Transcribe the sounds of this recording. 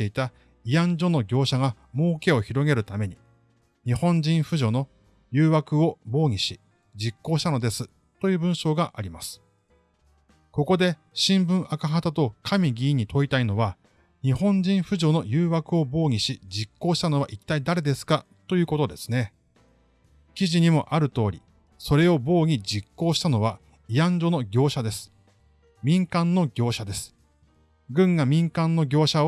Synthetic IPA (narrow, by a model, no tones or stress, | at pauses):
e̞it̪a | iãɲd͡ʑo̞no̞ɡʲo̞ːɕaɡa | mo̞ːke̞o̞çiɾo̞ɡe̞ɾɯ̟t̪ame̞ɲ̟i | ɲ̟ihõ̞ɲ̟d͡ʑĩɰ̃ɸɯ̟ʑo̞no̞ | jɯ̟ːβakɯ̟o̞bo̞ːɲ̟iɕi | d͡ʑikːo̞ːɕi̥t̪ano̞d̪e̞sɨ | t̪o̞jɯ̟ːbɯ̟̃ɰ̃ɕo̞ːɡaʔaɾʲimasɨ̥ | ko̞ko̞d̪e̞ | ɕĩmbɯ̟̃ɰ̃akaɦat̪at̪o̞kʰamʲiɡʲiːɲ̟it̪ʰo̞it̪aino̞βa | ɲ̟ihõ̞ɲ̟d͡ʑĩɰ̃ɸɯ̟ʑo̞no̞jɯːβakɯ̟o̞bo̞ːɲ̟ʲiɕid͡ʑikːo̞ːɕi̥t̪ano̞β̞a̰ʔit̪ːaid̪aɾe̞d̪e̞sɨ̥ka | t̪o̞jɯ̟ːko̞t̪o̞d̪e̞sɨ̥ne̞ | kʲiʑiɲ̟imo̞̰ʔaɾɯ̟t̪o̞ːɾʲḭ | so̞ɾe̞o̞bo̞ːɲ̟ʲid͡ʑikːo̞ːɕi̥t̪ano̞β̞a | iãɲd͡ʑo̞no̞ɡʲo̞ːɕad̪e̞sɨ̥ | mʲĩŋkãnːo̞ɡʲo̞ːɕad̪e̞sɨ̥ | ɡɯ̟̃ŋɡamʲĩŋkãnːo̞ɡʲo̞ːɕa